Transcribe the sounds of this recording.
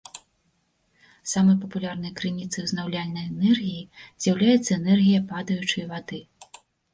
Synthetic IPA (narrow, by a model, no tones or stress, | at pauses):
samɐjpɐpulʲarnɐjɐkɾɨnʲit̪sɐjwznawlʲalʲnɐjɛnɛrɣʲijizʲjawlʲajɛt̪sːɐɛnɛrɣʲijɐpad̪ɐjut͡ʂɨjvad̪ɨ